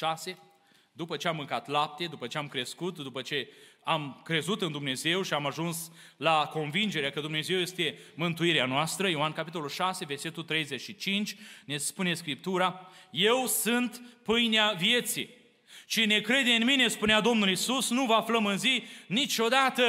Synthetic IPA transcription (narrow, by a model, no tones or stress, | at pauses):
ʃase̞ | d̪upət͡ʃe̞amːɨŋkat̪lap̚t̪e̞d̪upət͡ʃe̞amkɾe̞skut̪d̪upət͡ʃe̞amkɾe̞zut̪ɨnd̪umne̞ze̞wʃiamaʒuns | lako̞nvind͡ʒe̞ɾeakəd̪umne̞ze̞wje̞st̪e̞mɨnt̪uiɾeanoast̪ɾəjoankapit̪o̞lulʃase̞ve̞rse̞t̪ult̪ɾe̞jzet͡ʃʃit͡ʃint͡ʃʲne̞spune̞skɾip̚t̪uɾaje̞wsɨnt̪pɨjneavije̞t̪sḭ | t͡ʃine̞kɾe̞d̪e̞ɨnmine̞spunead̪o̞mnulisusnuvəafləmɨnzinit͡ʃo̞d̪at̪ə